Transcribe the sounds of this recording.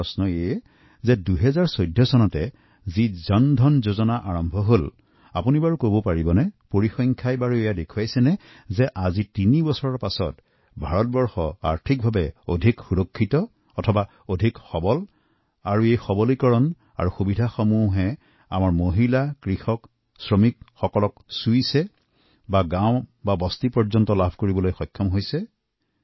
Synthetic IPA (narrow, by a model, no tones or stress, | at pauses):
ɔsnɔe | zɛduɦɛzaɹsojdʱːɔsɔnɔtɛ | zizɔndʱɔnzozɔnaʔaɹɔmbʱɔɦol | a̰punibaɹukobɔpaɹibɔnɛpoɹixɔŋkʰajbaɹuejadekʰuwajsɛnɛ | zɛʔazitinibɔsɔɹɔɹpasɔ̰t | bʱaɹɔt̚bɔɹxɔa̰ɹtʰik̚bʱabɛodʱikxuɹɔkʰːitɔ | ɔtʰɔba | odʱikxɔbɔl | aɹuejxɔbɔlikɔɹɔn | a̰ɹuxubidʱaxɔmuɦɛ | a̰maɹmoɦilakɹixɔk | sɹɔmik̚xɔkɔlɔksujsɛ | baɡãw̃babɔstipɔɹzɔntɔlabʱkoɹibɔlojxɔjkʰːɔmɦojsɛ